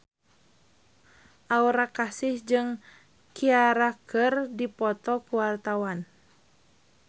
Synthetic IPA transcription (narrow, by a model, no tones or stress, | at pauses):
ʔauɾakasɪhd͡ʒɨŋ | kiaɾakʰɨrdipɔt̪ɔkuwart̪awan